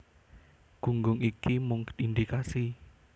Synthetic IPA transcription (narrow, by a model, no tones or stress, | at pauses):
ɡ̥ṳŋɡʊŋikimʊŋk̪ind̪ikasi